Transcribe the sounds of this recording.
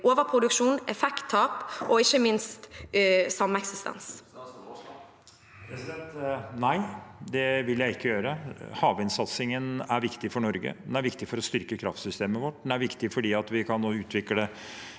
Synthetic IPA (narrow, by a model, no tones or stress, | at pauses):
ʔoːʋəɾpʰʁʊd̪ʉkʂuːnɛfɛkt̪ʰːɑːpʔɔɪçəmɪnst̪sɑmːəɛksɪst̪ɛ̰ns | pɛsɛnt̪næɪd̪ɛʋɪljæɪɪkːəjøːɾəhɑːʋɪnsɑt̪sɪŋənæɾʋɪkt̪ɪfɔɳɔɾɡə̰d̪ɛnæɾʋɪkt̪ɪfɔɾɔst̪ʏɾkəkʰɾɑ̰ft̪sʏst̪eːməʋɔʈːd̪ɛnæɾʋɪkt̪ɪfɔɖiːɑt̪ʋɪkʰɑnːoːʉːt̪ʰʋɪkːəə